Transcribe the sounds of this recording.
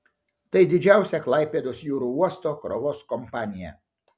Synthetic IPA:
t̪ɐɪd̪ʲɪd͡ʒʲæˑʊsʲɛklˠɐˑɪpʲeːd̪oːsjuːɾuːuɔst̪oːkɾɔʋoːskɔmpɑːnʲɪjɛ̰

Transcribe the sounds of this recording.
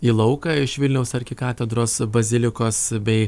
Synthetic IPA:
iːlˠɒʊkɑɪʃʋʲɪlʲnʲɛʊsɐɾʲkʲɪkɑːt̪ʲɛd̪ɾoːsbɐzʲɪlʲɪkoːsbʲɛɪ

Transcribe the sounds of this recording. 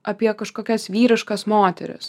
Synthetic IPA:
ɐpʲiɛkɐʃkoːkʲɛsʋʲiːɾʲɪʃkɐsmoːt̪ʲɛ̰ɾʲɪ̰s

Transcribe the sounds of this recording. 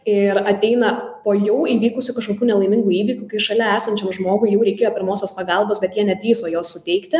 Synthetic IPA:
ɪɾɐt̪ʲɛɪnɐpoːjɛʊiːʋʲiːkʊsʲʊkɐʃkoːkʲuːnʲɛlˠɐɪmʲɪŋɡuːiːʋʲiːkʲukɐɪʃɐlʲɛæːsɐnʲt͡ʃʲɛmʒmoːɡʊɪjɛʊɾʲɛɪkʲeːjoːpʲɪɾmoːsʲɛspɐɡɐlˠboːsbʲɛt̪jiɛnʲɛt̪ʲɾʲiːsoːjoːssʊtʲɛɪkt̪ʲɪ

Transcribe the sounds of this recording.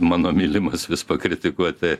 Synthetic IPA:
mɑːnoːmʲiːlʲɪmɐsʋʲɪspɐkɾʲɪt̪ʲɪkuɔt̪ʲɪ

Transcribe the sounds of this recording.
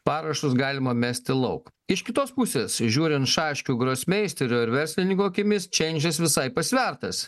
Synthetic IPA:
pɑːɾɐʃt̪ʊsɡɑːlʲɪmɐmʲæːsʲt̪ʲɪlˠɐʊk | ɪʃkʲɪt̪oːspʊsʲeːsʒʲuːɾʲɪnt̪ʃɑːʃʲkʲuːɡɾoːsʲmʲɛɪsʲt̪ʲɛɾʲoːɪɾʋʲɛɾʲsʲlʲɪnʲɪŋkoːkʲɪmʲɪst͡ʃʲɛɪnʲd͡ʒʲɛsʋʲɪsɐɪpɐsʲʋʲæɾt̪ɐs

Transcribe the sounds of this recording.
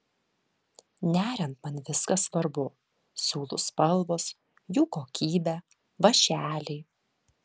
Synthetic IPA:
nʲæːɾʲɛnt̪mɐnʋʲɪskɐsʋɐɾbʊ | sʲuːlˠʊspɐlˠʋoːs | juːkoːkʲiːbʲæː | ʋɐʃʲæːlʲɛɪ

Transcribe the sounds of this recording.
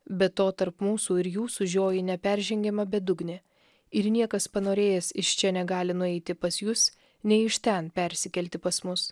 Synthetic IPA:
bʲɛt̪ːoːt̪ɐɾpmuːsuːɪɾjuːsʊʒʲoːjɪnʲɛpʲɛɾʲʒʲɛŋʲɡʲɛmɐbʲɛd̪ʊɡnʲɪ | ɪɾnʲiɛkɐspɐnoːɾʲeːjɛsɪʃt͡ʃʲɛnʲɛɡɑːlʲɪnʊɛɪt̪ʲɪpɐsjʊs | nʲɛɪɪʃt̪ʲɛnpʲɛɾʲsʲɪkʲɛlʲt̪ʲɪpɐsmʊs

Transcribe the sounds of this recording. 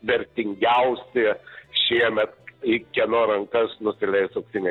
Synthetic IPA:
ʋʲɛɾʲt̪ʲɪŋʲɡʲɛʊsʲeʃʲiɛmʲɛt̪ɪkʲiɛnoːɾɐŋkɐsnʊsʲɪlʲɛɪsɐʊksʲɪnʲɛ

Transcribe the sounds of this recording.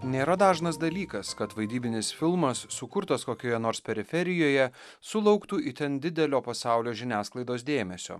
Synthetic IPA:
nʲeːɾɐd̪ɑːʒnɐsd̪ɐlʲiːkɐskɐt̪ʋɐɪd̪ʲiːbʲɪnʲɪsfʲɪlˠmɐsːʊkʊɾt̪ɐskoːkʲoːjɛnoːɾspʲɛɾʲɪfʲɛɾʲɪjoːjɛ | sʊlˠɒʊkt̪uːʔit̪ʲɛnd̪ʲɪd̪ʲɛlʲoːpɐsɑˑʊlʲoːʒʲɪnʲæːsklˠɐɪd̪oːsd̪ʲeːmʲɛsʲo̰ː

